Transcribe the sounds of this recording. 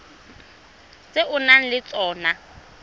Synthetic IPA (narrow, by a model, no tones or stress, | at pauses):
t͡sʼeʔʊnan̩lɪt͡sʼɔːna